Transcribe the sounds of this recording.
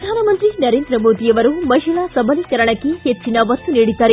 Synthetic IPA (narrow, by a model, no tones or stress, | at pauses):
ɐd̪ʱaːnɐmɐnt̪ɾinɐɾeːnd̪ɾɐmoːd̪ijɐʋɐɾumɐɦiɭasɐbʱɐlikɐɾɐɳɐkːehet͡ʃːinɐʋɐt̪ːuniːɽid̪ːaːɾe